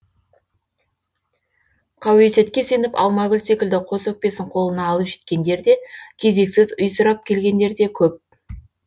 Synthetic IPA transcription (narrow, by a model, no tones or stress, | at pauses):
qʰɑwe̞se̞t̪kʲe̞se̞nɪpɑ̰lˠmɑɡʲʏlse̞kʲɪld̪ɪqʰo̞sɵk̚pe̞sɪɴqʰo̞lˠənɑːlˠəpʒe̞̥t̪kʲe̞nd̪e̞ɾd̪e̞kʲʰe̞ze̞ksɪzʊjsʊɾɑp̚kʲʰe̞lɡʲe̞nd̪e̞ɾd̪e̞kʲʰɵp̚